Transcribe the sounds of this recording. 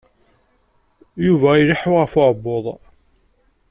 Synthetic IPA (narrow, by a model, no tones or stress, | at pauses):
juvæjliħʊʁəfʊʕbːoðˤ